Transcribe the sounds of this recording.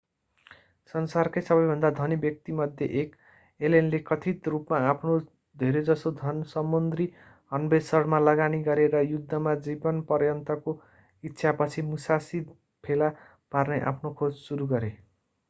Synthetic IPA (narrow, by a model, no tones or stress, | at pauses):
sʌnsarkajsʌbʌjbʱʌnd̪ad̪ʱʌnibjʌk̚t̪imʌd̪ʱjeʔek | elenlekʌt̪ʰit̪rupmaapʰno | d̪ʱeɾed͡zʌsod̪ʱʌnsʌmːond̪ri | ɦʌnbesʌrmalʌɡaniɡʌɾeɾʌjud̪ʱːʌmad͡zibʌnpʌrjʌnt̪ʌko | itːsʰapʌt͡sʰimusasid̪ | pʰela | parneʔa̰pʰnokʰod͡zsuɾuɡʌɾe